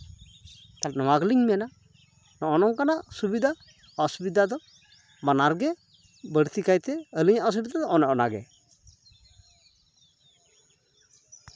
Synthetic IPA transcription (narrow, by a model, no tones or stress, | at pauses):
t̪alnɔwaɡliɲmijɛna | nɔʔɔnɔŋkanasubid̪ʱa | ɔsubid̪ʱad̪ɔ | manaɾɡɛ | bəɽt̪ikajt̪ɛəliɲaʔɔs̬ubid̪ad̪ɔɔnɔʔɔnaɡɛ̰